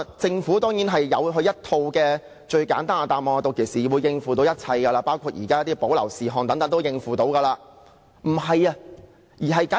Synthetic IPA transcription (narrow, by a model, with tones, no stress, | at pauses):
t͡sɪ˧ŋfuː˨˥t̪ɔː˥ŋjiː˨˥nɦɐ˨jjɐ̰˨˧wɦɵ˧ɥjɐ˥t̚t̪ʰːo˧wkɛː˧ | t͡ʃɵ˧ɥkaː˨˥nt̪aː˥na˧t̪aː˨mɔː˨ŋ˧t̪o˨˩kʰe˨˩siː˨wuː˨˧jːɪ˧ŋfuː˨˩t̪o˨˥wjɐ˥t̚t͡sʰɐ˧jkɐ˧laː˧paː˥wkʷʰuː˧t̚jḭː˨˩kaː˥jt̪ːiː˥po˨˥wlɐ̰˨˩wsiː˨˩ɦɔː˨ŋt̪ɐ˨˥ŋt̪ɐ˨˥ŋt̪wjɪ˧ŋfuː˨˩t̪o˨˥wkɐː˧laː˧ | m̩˨˩ɦɐ˨jɐ˧ | jiː˨˩ɦɐ˨jka˨˥